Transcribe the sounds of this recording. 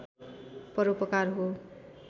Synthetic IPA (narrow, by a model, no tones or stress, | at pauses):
pʌɾopʌkarɦo